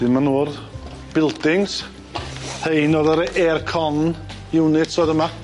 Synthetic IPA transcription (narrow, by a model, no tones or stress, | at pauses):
d̥ɪnmanuːrð | b̥ɪlˠdɪŋs | hejnoːðəɾʔɛrkʰɔn | ɪwnɪtsoːðəma